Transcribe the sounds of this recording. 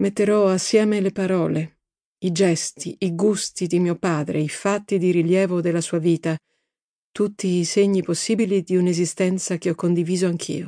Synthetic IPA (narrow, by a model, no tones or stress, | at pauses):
met̪ːeɾɔasːjɛːmelepaɾɔːle | id͡ʒɛst̪iiɡust̪id̪imiːopaːd̪ɾḛifat̪ːid̪iɾiljɛːvod̪elasuːaviːt̪a | t̪ut̪ːiːseɲːiposːiːbilid̪iunezist̪ɛnt̪sak̟eɔkːond̪iviːzoaŋkʰḭːo